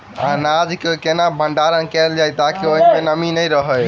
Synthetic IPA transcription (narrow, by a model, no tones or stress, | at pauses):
anad͡ʒkekenabʱəɳɖaɾənkɛld͡ʒajt̪akioɦinpenəminəjɾəɦə